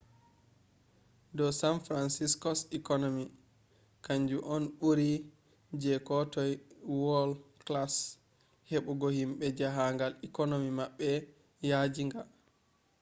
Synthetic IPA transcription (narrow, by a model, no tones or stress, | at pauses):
dɔsanfɾansiskɔsikɔnomi | kaɲd͡ʒuʔɔnɓuɾi | d͡ʒɛkɔtɔjwɔlklas | heɓuɡɔhimɓɛd͡ʒaɦaŋɡalikonomimaɓːɛ | jad͡ʒiŋɡal